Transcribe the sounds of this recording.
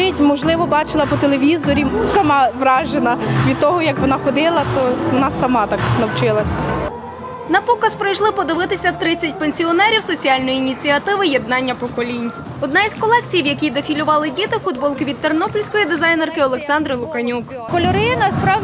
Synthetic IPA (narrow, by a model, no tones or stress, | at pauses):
ɪtʲmɔʒlˠɪʋɔbɑt͡ʃɪlˠɐpɔt̪elʲˠeʋʲizɔɾʲisɐmɑʋɾɑʒenɐʋʲid̪̚t̪ɔɦɔjɐkʋɔnɑxɔd̪ɪlˠɐt̪ɔnɑsːɐmɑt̪ɑknɐwt͡ʃɪlˠɐsʲ | nɐpɔkɐspɾɐjʃlˠɪpɔd̪ɪʋɪt̪ɪsʲɐt̪ɾɪt͡sʲːɐt̚ʲpenʲsʲiɔnɛɾʲiwsɔt͡sʲiɑlʲnɔjiːnʲit͡sʲiɐt̪ɪʋɪjed̪̚nɑnʲːɐpɔkɔlʲinʲ | ɔd̪̚nɑizkɔlˠɛkt͡sʲijwjɐkʲid̪efʲilʲʊʋɑlˠɪdʲit̪ɪfud̪̚bɔlˠkɪʋʲid̪t̪ernɔpɔlʲsʲkɔjid̪ezɑjnerkɪɔlˠeksɑnd̪ɾɪlˠʊkɐnʲuk | kɔlʲɔɾɪnɐspɾɑʋ